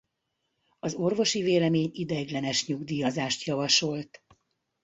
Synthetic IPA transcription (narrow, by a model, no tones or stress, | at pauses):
ɒzo̞rvo̞ʃiveːlɛmeːɲid̪ɛɡlɛnɛʃɲuɡd̪iːjɒzaːʃt̪jɒvɒʃo̞lt̪